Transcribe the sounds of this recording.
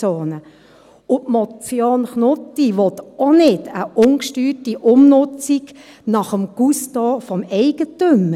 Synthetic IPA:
oːnə | ʊtmɔt͡sjoːnχnʊtːiʋɔt̪ɔnɪdəʔʊnkʃtyːrtiʔʊmnʊt͡sik | nɑχəmɡ̥ustɔːfɔmɛɪɡ̥ətømə

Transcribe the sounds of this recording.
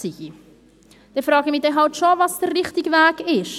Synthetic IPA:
siɡi | d̪̥ɛfɾɑːɡ̥əmidɛɦɑltʃovɑsd̥ərːɪχtɪɡəvæːkɪʃ

